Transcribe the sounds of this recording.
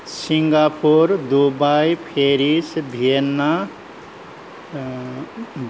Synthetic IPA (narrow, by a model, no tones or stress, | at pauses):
siŋɡapuɾd̪ubajpʰeɾisbʱienːa